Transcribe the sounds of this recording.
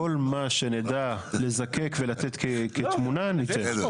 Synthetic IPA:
o̞lmaʃe̞ned̪ale̞zake̞kvelat̪et̪keket̪munanie

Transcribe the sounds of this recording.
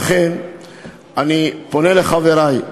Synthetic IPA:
χen | anipo̞neleχaveɾaj

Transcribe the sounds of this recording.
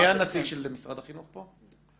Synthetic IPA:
janat͡siɡʃelemisʁad̪aχinuχpo

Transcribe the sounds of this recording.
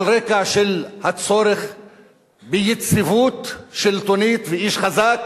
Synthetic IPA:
lɾekaʃelhat͡so̞ɾeχ | bejet͡sivut̪ʃelt̪onit̪veiʃχazak

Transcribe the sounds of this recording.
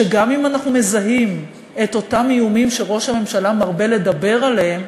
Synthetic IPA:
eɡamimanaχnume̞zaɦim | e̞to̞tamijumimʃe̞ʁo̞ʃhame̞mʃalamaʁbe̞le̞dabe̞ʁaleem

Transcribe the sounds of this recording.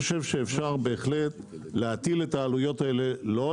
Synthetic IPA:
oʃe̞vʃe̞ːfʃaʁbe̞ːχletleat̪iletaːlujo̞taelelo̞

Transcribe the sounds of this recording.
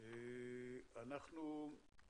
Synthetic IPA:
e | anaχnu

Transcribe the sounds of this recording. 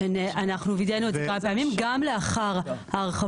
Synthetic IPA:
nʔanaχnuvid̪enot̪apeamimɡamleaχaʁhaʁeχa

